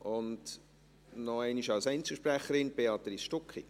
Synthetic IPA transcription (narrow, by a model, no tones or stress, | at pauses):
ʔʊnd | nɔɛɪniʃɑlsɛɪnt͡səʃpɾæχəɾɪnb̥eɑt̪risʃtʊkχi